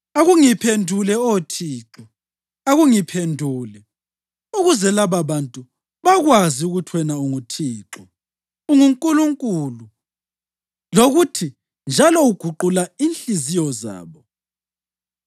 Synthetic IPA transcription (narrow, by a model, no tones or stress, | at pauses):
aɣuŋipʰendʱulɛotʰiːǁɔ | aɣuŋipʰendʱuːlɛ | uɣuzɛlaβaβantʼu | βaɣwaziuɣutʰwɛnauŋutʰiːǁɔ | uŋuŋkʼuluŋkʼulu | loɣutʰi | nd͡ʒʱalɔuɡ̥ʱuǃulainɬizijɔza̰ːβɔ